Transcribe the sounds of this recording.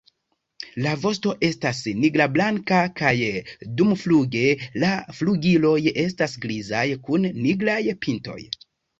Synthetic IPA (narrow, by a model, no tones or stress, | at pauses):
lavo̞s̬to̞ʔe̞stasniɡɾablaŋkakajdumfluɡe̞lafluɡilo̞je̞stasɡlizajkunːiɡlajpinto̞̰j